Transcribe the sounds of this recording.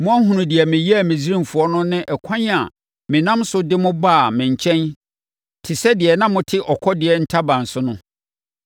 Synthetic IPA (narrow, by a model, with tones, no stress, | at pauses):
mʊ̃˦a˦ɦũ˨nʊ̃˨dɪ˨ɛ˨mɪ̃˨ji˦a˨mɪ̃˨zi˦ɾĩ˦mfu˨ɔ˦nʊ̃˦nɪ̃˦ʔɛ˨kʷʰã˦n˦a̰˨ | mɪ̃˨nã˦msʊ˦dɪ˦mʊ̃˦ba˦˨mɪ̃˨ɲ˨t͡ɕʰɛ̃˦n | tʰɪ˨sɛ˦dɪ˨ɛ˨nã˦mʊ̃˦tʰɪ˦ʔɔ˨kʰɔ˦dɪ˨ɛ˨n̩˦tʰa˦bã˨n̩˨sʊ˦nʊ̃˦